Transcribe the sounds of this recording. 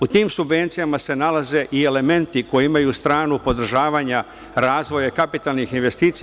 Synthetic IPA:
ut̪iːmsubʋe̞nt̪sijamase̞nalaze̞ʔie̞le̞me̞nt̪iko̞jeimajust̪ɾaːnupo̞d̪r̩ʒaːʋaɲa | ɾaːzʋo̞jakapit̪alˠnixinʋe̞st̪iːt̪si

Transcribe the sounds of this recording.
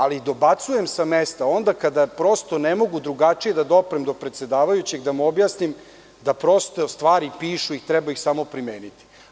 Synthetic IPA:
alid̪o̞bat̪suje̞msamest̪ao̞nd̪akad̪apɾo̞st̪o̞nemo̞ɡud̪ɾuɡat͡ʂije̞d̪ad̪o̞pɾemd̪o̞pɾe̞t̪se̞d̪aːʋajut͡ɕe̞ɡd̪amuobjasnim | d̪apɾo̞st̪ost̪ʋaːɾipiːʃuixt̪ɾɛbaixsamo̞pɾimeːnit̪i̥

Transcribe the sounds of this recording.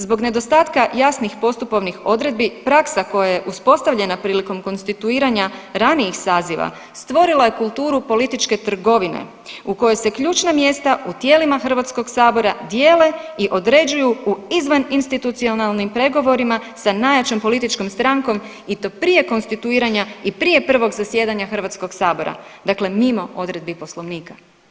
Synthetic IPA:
zbo̞ɡne̞d̪o̞st̪aːt̪kajasnixpo̞st̪upo̞ʋnixo̞d̪ɾe̞d̪̚bipɾaksako̞jajeʔuspo̞st̪aʋʎe̞napɾiːliko̞mko̞nst̪it̪uiːɾaɲaɾaniixsaːziʋa̰ | st̪ʋo̞ɾilˠaje̞kulˠt̪uːɾupo̞lit̪it͡ʃke̞t̪r̩ɡo̞ʋinḛ | uko̞jese̞kʎuːt͡ʃnamje̞st̪aut̪je̞ːlimaxr̩ʋat̪sko̞ɡsaːbo̞ɾad̪jeːle̞iʔo̞d̪ɾe̞d͡ʑujuuizʋaninst̪it̪ut̪sio̞nalˠnimpɾe̞ɡo̞ʋo̞ɾimasanajat͡ʃo̞mpo̞lit̪it͡ʃko̞mst̪ɾaŋko̞m | it̪opɾije̞ko̞nst̪it̪uiːɾaɲaipɾije̞pr̩ʋo̞ɡzasje̞ːd̪aɲaxr̩ʋat̪sko̞ɡsaːbo̞ɾa̰d̪akle̞mimo̞o̞d̪ɾe̞d̪̚bipo̞slˠo̞ʋniːka

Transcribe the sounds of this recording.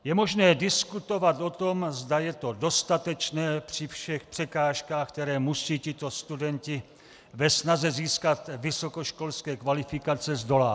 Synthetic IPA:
jɛmo̞ʒnɛːdɪskut̪o̞vat̪o̞t̪o̞mzdajɛt̪o̞do̞st̪at̪ɛt͡ʃnɛːpr̥ɪfʃɛxpr̝̥ɛkaːʃkaːxk̚t̪ɛɾɛːmusiːcɪt̪o̞st̪udɛncɪ | vɛsnazɛziːskat̪vɪso̞koʃko̞lskɛːkvalɪfɪkat͡sɛzdo̞laː

